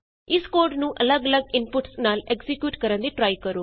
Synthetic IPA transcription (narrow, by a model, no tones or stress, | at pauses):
ɪskoːɾɖnũːʔələɡələɡɪnpʊʈsnaːlɛkzɪkjuːʈkəɾə̃nd̪iːʈɾaːikəɾoː